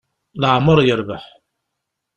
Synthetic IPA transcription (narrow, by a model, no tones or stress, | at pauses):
ləʕməɾˤjəɾbaħ